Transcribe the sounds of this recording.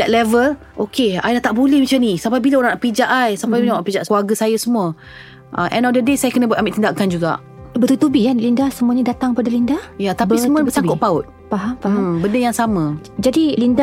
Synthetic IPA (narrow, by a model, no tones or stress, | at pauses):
dɛt̪̚lɛvəl | ʔokea̰jdat̪aʔbulɛhmat͡ʃanisampajbilaoɾãŋnaʔpid͡ʒaʔajsampajbilaaʔpid͡ʒaʔkluaɡəsajasəmũə | ʔə̰ʔɛ̃nɔldədesajakənəbuat̪ambiʔt̪indakand͡ʒuɡa̰ʔ | bət̪ut̪ubijanlindahsəmuaɲadat̪aŋkəpadalindahjat̪abisəmuaət͡ʃakʊʔpaʊt̪̚ | paɦamabəndəjaŋsamə̃d͡ʒadilinda